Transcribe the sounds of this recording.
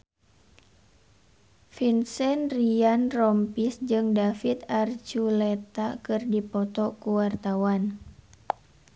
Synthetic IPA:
finsɛnrianrɔmpisd͡ʒɨŋdafit̪art͡ʃulɛt̪akɨrdipɔt̪ɔkuwart̪awan

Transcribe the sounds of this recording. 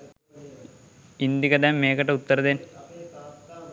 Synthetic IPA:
ind̪jikɐd̪aːmːeːkɐʈːɐut̪ːɐɾɐðen

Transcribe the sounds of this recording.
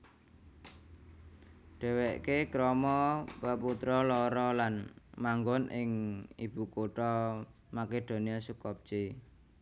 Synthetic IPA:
ɖ̥ɛ̤weʔkekɾɔmɔpəput̪ɾɔlɔɾɔlanmaŋɡɔnʔɪŋib̥ṳkoʈɔ | maked̪̥o̤niasukɔp̚t͡ʃe

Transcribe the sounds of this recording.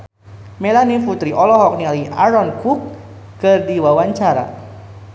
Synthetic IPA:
mɛlanifut̪ɾiʔɔlɔɦɔk̚nilia̰ɾɔnkukː | ɨrdiwawaɲt͡ʃaɾa̰

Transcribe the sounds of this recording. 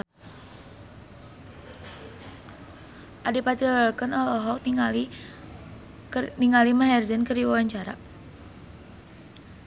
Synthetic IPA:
ʔadipat̪əlkənɔlɔɦɔk̚ | niŋalimaɦɛrzənkəriwawaɲt͡ʃaɾa̰

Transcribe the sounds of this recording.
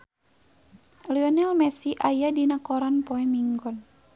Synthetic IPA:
liɔnɛlmɛsiʔajadinakɔɾanpɔɛmiŋɡɔn

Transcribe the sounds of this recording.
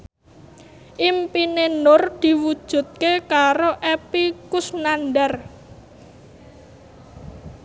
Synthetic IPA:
ʔimpinenʊrd̪̥i̤wud̥ʒ̥ṳt̪̚kekaɾoʔepikʊsnanɖar

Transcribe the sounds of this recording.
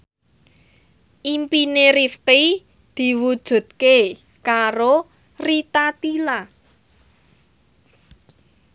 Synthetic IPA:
ʔimpineɾifqi | d̪̥i̤wud̥ʒ̥ṳt̪̚ke | kaɾo | rit̪at̪ila

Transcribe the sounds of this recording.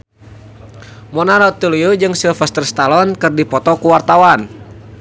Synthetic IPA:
mɔnaɾɔt̪uliud͡ʒɨŋsilfɛst̪ərst̪alɔnkɨrdipɔt̪ɔkuwart̪awan

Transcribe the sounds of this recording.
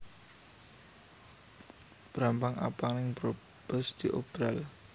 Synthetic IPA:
b̥ɾampaŋʔa̰paŋnɪŋbɾo | b̥ɔsd̪̥iʔob̥ɾal

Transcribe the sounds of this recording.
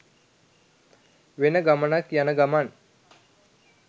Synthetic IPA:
ʋenəɡamənakjanəɡaman

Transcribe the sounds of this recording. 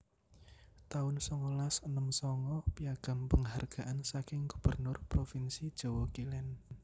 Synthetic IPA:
t̪aʊnsɔŋɔlasənəmsɔŋɔpijaɡ̥a̤mpəŋɦarɡ̥a̤ʔansakɪŋɡ̥ub̥ə̤rnʊrpɾofinsid̥ʒ̥o̤wɔkilɛn

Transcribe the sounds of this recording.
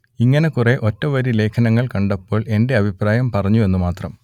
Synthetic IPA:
iŋːɐne̞kure̞ʔo̞tːɐʋɐɾile̞ːkʰɐnɐŋːɐɭkɐɳɖɐpːo̞ːɭe̞nde̞ɐbʱipraːjɐmpɐrɐɲːue̞nːumaːt̪rɐm

